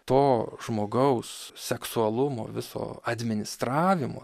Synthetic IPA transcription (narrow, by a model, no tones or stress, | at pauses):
t̪oːʒmoːɡɐʊssʲɛksuɐlˠʊmo̰ːʋʲɪso̰ːɐd̪ʲmʲɪnʲɪst̪ɾɑːʋʲɪmo̰ː